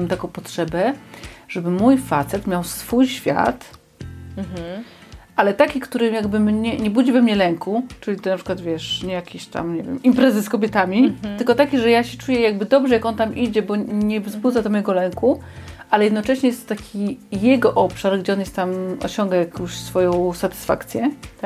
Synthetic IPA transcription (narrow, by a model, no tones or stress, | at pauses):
mt̪akɔ̃w̃pɔtʂɛbɛʐ̥ɛbɘmujfat̪sɛt̪mʲjawsfujɕfʲja̰t̪ | ʔalɛt̪akʲikt̪uɾɘjaɡbɘmɲɛɲɛbud͡ʑivɛmɲɛlɛŋkut͡ʂɘlʲit̪napʂɘkwad̪vʲjɛʂɲɛjakʲeɕt̪a̰mɲɛvjɛ̰mimpɾɛzɘskɔbʲjɛt̪amʲit̪ɘlkɔt̪akʲiʐɛjaɕɛt͡ʂujɛjaɡ̚bɘd̪ɔbʐɛjakɔnt̪amʔid͡ʑɛbɔɲɛzbud̪zad̪ɔmɔjɛɡɔlɛŋku | ʔalɛjɛd̪nɔt͡ʂɛɕɲɛjɛst̪t̪akʲijɛɡɔʔɔpʂaɾɡd͡ʑɛɔnjɛst̪t̪amɔ̰ɕɔŋɡajakɔ̃w̃ɕsfɔjɔ̃w̃sat̪ɨ̥sfa̰kt̪sʲjɛ